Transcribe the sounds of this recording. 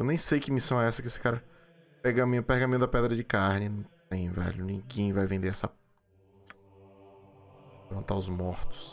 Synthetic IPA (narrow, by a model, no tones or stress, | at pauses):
ewnẽj̃sejkɪmisɐ̃w̃ɛɛsɐkɪesɪ̥kaɾɐ | peɡɐmĩʊpehɡɐmĩjʊd̪ɐpɛd̪ɾɐd͡ʒɪkaɾnɪnɐ̃w̃t̪ẽj̃vɛ̰lʊnĩɡẽj̃vajvẽnd̪eɾɛsɐ | evɐ̃nt̪aʊzmɔɾt̪ʊ̥s